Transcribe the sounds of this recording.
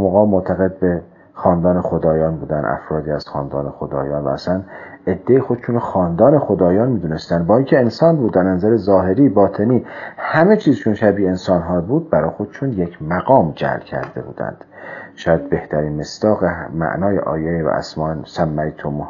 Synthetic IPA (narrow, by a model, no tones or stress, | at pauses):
moɣɒːmot̪ʰæɣe̞d̪̚be̞ | xɒːnd̪ɒːnexod̪ɒːjɒːnbuːd̪ænæ̰fɾɒːd̪iːæz̥xɒːnd̪ɒːnexo̞d̪ɒ̰ːjɒːnvæ̰ːsæn | e̞d̪ːejixod̪ʃunxɒːnd̪ɒːnexod̪ɒːjɒːnmiːd̪uːnest̪ænd̪bɒːiːŋcʰeːnsɒːnbuːd̪ːæɾnænzæɾezɒːɦe̞ɾiːbɒːt̪ʰe̞niːhæme̞t͡ʃʰiːzt͡ʃʰonʃæbiːe̞nsɒːnɦɒːbuːd̪̚bæɾɒːjxod̪eʃunje̞cʰmæɡɒːmd͡ʒæ̰lcʰæ̰ɾd̪e̞̰bṵːd̪æ̰nd̪̥ʃɒːjæd̪̚be̞ht̪ʰæɾiːnme̞sd̪̥ɒːɣemæ̰ʔnɒːjeʔɒ̰ːjevæ̰ʔæ̰smɒːsæmːæit̪ʰomu